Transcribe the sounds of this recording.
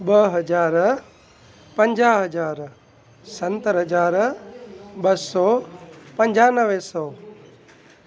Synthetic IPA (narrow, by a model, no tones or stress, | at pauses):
ɓəɦəd͡ʒaːɾ | pə̃ɲd͡ʒaːɦəd͡ʒaːɾ | sɐ̃nt̪əɾɦəd͡ʒaːɾ | ɓəsɔːpə̃ɲd͡ʒaːnəʋesɔː